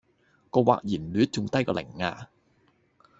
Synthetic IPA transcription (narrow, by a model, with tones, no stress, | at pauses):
kɔː˧wa̰ː˨k̚jiː˨˩nlyː˨˥t̚t͡sʊ˨ŋt̪ɐ˥jkɔː˧lɪ̰˨˩ŋːa̰ː˧